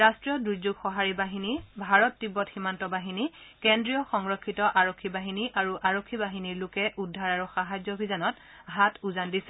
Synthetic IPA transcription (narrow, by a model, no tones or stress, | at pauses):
ɹastɹijɔdɹuɹzuɡxɔɦaɹibaɦinibʱaɹɔtːibɔtximantɔbaɦinikɛndɹijɔxɔŋɹɔkʰːitɔʔaɹɔkʰːibaɦiniʔaɹuʔaɹokʰːibaɦiniɹlʊkɛʔudʱːaɹaɹuxaɦazɔbʱizanɔt | ɦatuzandisɛ